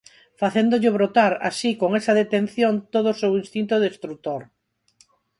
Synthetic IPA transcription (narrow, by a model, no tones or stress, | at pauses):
faθend̪oʎɪβ̞ɾot̪aɾa̰sikoŋesaðet̪enθjont̪oð̞osewinst̪int̪oðest̪ɾut̪oɾ